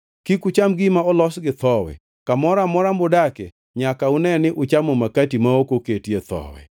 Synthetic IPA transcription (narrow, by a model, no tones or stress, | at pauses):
kikʊt͡ʃamɡɪmaɔlɔsɡɪt̪ɔwɛ̰ | kamɔɾamɔɾambʊdakɛ | ɲakaʊnɛnɪʔʊt͡ʃamomakatimaokoketjet̪ɔ̰wɛ̰